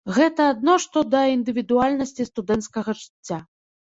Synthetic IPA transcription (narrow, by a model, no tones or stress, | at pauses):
ɣɛt̪ɐad̪nɔʂt̪ɔd̪ɐind̪ɨvʲid̪ualʲnɐsʲt͡sʲist̪ud̪ɛnt̪skɐɣɐʐɨt͡sʲːa